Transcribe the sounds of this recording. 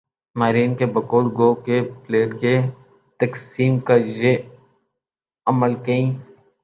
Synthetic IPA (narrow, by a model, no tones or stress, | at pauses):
maːɾiːnkebɐkoːlɡoːkepleːʈke | t̪ɐksiːmkɐd͡ʒe | ɐməlkɐĩː